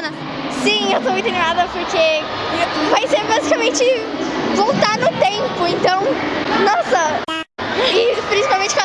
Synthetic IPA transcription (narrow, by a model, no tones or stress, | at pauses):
nɐ | sĩewt̪omũt̪ɐẽnimad̪ɐpoɾke | vajseɾbazikɐmẽnt͡ʃɪ | vowt̪aɾnʊt̪ẽmpʊẽnt̪ɐ̃w̃nɔsɐ | ɪpɾĩsipawmẽnt͡ʃɪkõ